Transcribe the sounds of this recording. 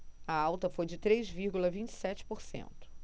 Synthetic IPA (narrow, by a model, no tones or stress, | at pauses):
ɐawt̪ɐfojd͡ʒɪt̪ɾejzviɾɡulɐvĩt͡ʃɪ̥sɛt͡ʃɪ̥poɾsḛ̃nt̪ʊ̥